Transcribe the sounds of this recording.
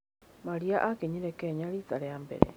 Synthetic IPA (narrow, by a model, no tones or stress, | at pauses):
maɾiaʔakeɲiɾɛkɛɲaɾitaɾeambɛ̰ɾɛ̰